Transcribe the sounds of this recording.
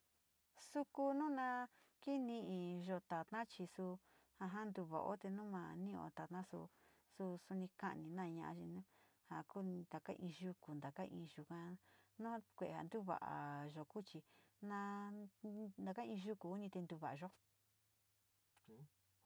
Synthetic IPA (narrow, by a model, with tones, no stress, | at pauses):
su˧ku˧nũ˦nã˧ | ki˦nĩ˧ĩ˧ʒo˧t̪a˨t̪nã˦t͡ʃi˧su˧ | ha˧ɦa˦nd̪u˧βa̰˨ʔo̰˦t̪e˧nũ˦mã˧nĩ˦õ̰˧˨t̪a˨t̪nã˦sṵ˧ | su˧su˧nĩ˧ka̰˦ʔnĩ˧nã˦˧ɲã̰˧ʔa̰˧˦t͡ʃi˧nũ˦ | ha˨kũ˦˨˧d̪a˨ka̰˦ʔĩː˧ʒu˧ku˨nd̪a˨ka˦ʔḭ̃ː˧ʒu˨kã˧nũ˦kʷe˨e˨ha̰˨nd̪u˦βa̰˨ʔa̰˨ʒo˨ku˦t͡ʃi˧nã˧ | nd̪a˨˧ka˦ĩ˧ʒu˦ku˨u˦nĩ˧t̪e˧nd̪u˧βa˨ʔa˨ʒo˦˨